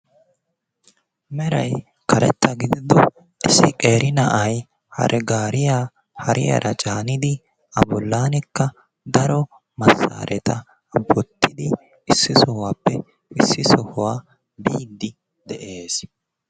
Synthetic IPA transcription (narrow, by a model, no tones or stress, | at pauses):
mɛɾɐj | kʰɐɾɛ̰t̪ːɐɡɪd̪ɪd̪ɔ | ʔɪsːɪkʼeːɾɪnɐʔɐj | hɐ̰ɾʔɛɡaːɾɪjaː | hɐɾʔɪjɐ̰ɾʔɐt͡ʃʼaːnɪd̪ɪ | ɐbɔlːaːnɪkːɐ | d̪ɐɾɔ | mɐsːa̰ːɾʔɛt̪ɐ | bɔt̪ːɪd̪ɪ | ɪsːɪsɔhʊwaːpːɛ | ɪsːɪsɔhʊwaː | biːd̪ːɪ | d̪ɛʔe̞ːs